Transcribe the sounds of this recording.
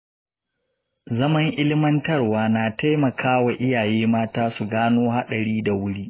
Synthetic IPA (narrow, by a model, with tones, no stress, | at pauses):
zɐ˦mɐ˦ŋʔɪ˦lɪ˦mɐ˦ntɐ˦˨rwaː˦naː˨ta˦jmɐ˨kʰaː˦wa˨ʔɪ˦jaː˨jeː˦maː˦taː˦su˨ɡaː˦noː˦ha˦ɗɐ˨ɽiː˦da˨wʊ˦ɽiː˦ʔ